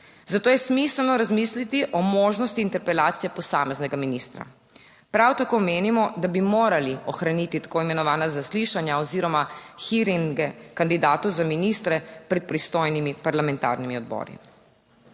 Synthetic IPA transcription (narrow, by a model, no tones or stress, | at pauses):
zat̪oːjɛsmisɛlnɔɾazmislit̪iʔɔmoːʒnɔst̪iːnt̪ɛɾpɛlaːt̪sijɛpɔsaːmɛznɛɡaminist̪ɾa̰ | pɾawt̪akoːmeːnimɔd̪abimoːɾaliɔxɾanit̪it̪ḁkoːimɛnɔʋaːnazasliʃanjaɔziːɾɔmaxiɾiŋɡɛkand̪id̪aːt̪ɔzaminist̪ɾɛpɾɛt̪̚pɾist̪oːjnimipaɾlamɛnt̪a̰ːɾnimiɔd̪̚bɔ̰ːɾḭ